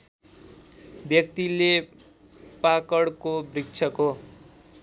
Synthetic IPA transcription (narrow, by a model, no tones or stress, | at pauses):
bjʌkt̪ile | pakʌɽkobrikt͡sʰʌko